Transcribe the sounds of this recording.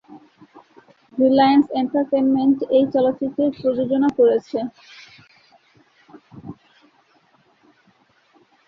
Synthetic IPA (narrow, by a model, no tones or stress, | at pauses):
ɾilajanseɳʈaɾʈenmenʈejt͡ɕɔlot̪ːt͡ɕit̪ːɾeɾpɾod͡ʑod͡ʑonakoɾet͡ɕʰe